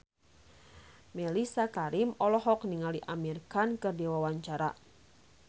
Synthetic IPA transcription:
mɛlisakaɾimɔlɔɦɔk̚niŋaliʔamirkankɨrdiwawaɲt͡ʃaɾa̰

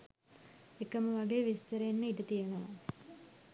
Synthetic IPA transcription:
ekəməʋaɡeːʋist̪əɾəenːəiʈət̪ijenəʋa

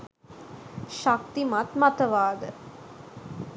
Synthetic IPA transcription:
ʃak̚t̪imat̪mat̪əʋaːd̪ə̰

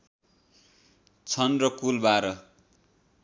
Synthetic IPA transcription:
t͡sʰʌnrʌkulbaɾʌ

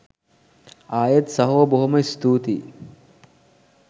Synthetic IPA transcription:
aːjɐt̪sɐɦoboɦuməist̪uːt̪ḭ

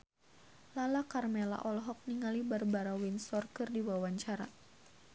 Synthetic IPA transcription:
lalakarmela̰ʔɔlɦɔk̚niŋalibarbaɾawinsɔrkərdiwawaɲt͡ʃaɾa̰

